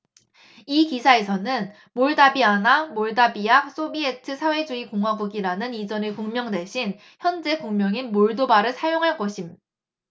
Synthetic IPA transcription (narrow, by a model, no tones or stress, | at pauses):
ikisʰae̞sʰʌnɯn | moɭdabianamoɭdabijaks͈obie̞tʰɯsʰawe̞d͡ʑuikoŋɦwaɡuɡiɾanɯnid͡ʑʌnɯkoŋmjʌŋdwe̞ɕʰin | çjʌnd͡ʑe̞koŋmjʌŋinmoɭdobaɾɯɭsʰajoŋɦaɭk͈ʌɕʰim